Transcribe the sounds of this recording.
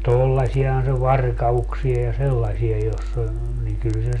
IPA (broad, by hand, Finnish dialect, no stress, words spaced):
tolːɑsiɑhɑn se ʋɑrkɑuksiɑ jɑ selːɑsiɑ josː ol niŋ kyl se